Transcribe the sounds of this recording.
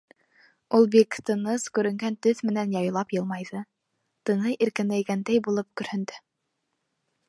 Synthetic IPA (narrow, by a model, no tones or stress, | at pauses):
ulˠbikt̪ɤ̆nɤskʉɾɘ̆ŋɡænt̪ɵθmɘ̆nænjɑj̆lˠɑpjɤ̆lˠmɑjðɤ | t̪ɤ̆nɤjʔiɾkɘ̆nlæjɡænd̪æjbulˠɤp̚kɵ̆ɾhɵ̆nd̪ɘ